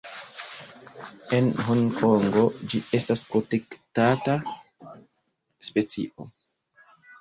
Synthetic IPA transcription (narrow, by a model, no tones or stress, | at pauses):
e̞nɦonkʰoŋɡo̞d͡ʒie̞staspo̞tektata | spe̞t͡sḭʔo̞̰